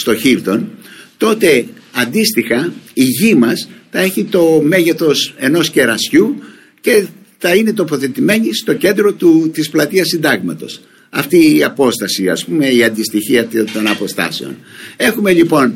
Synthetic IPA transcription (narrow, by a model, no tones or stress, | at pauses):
st̪o̞çivt̪o̞nt̪o̞t̪e̞ɐnd̪ist̪ixɐiʝimɐsθɐe̞çit̪o̞me̞ʝe̞θo̞se̞no̞sce̞ɾɐsçu | ce̞ | θɐine̞t̪o̞po̞θe̞t̪ime̞ɲist̪o̞ce̞nd̪ɾo̞t̪ut̪isplɐt̪iɐsːind̪ɐɣmɐt̪o̞̰s | ɐft̪iːɐpo̞st̪ɐsiɐ̰spume̞iɐnd̪ist̪içiɐt̪t̪o̞nɐpo̞st̪ɐ̰se̞o̞̰ne̞xume̞ʎipo̞n